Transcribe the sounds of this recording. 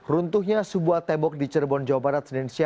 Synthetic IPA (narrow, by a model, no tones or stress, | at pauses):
runt̪uhɲasəbuaht̪ɛmbɔk̚dit͡ʃərbɔnd͡ʒawabaɾat̪̚sənɛnsia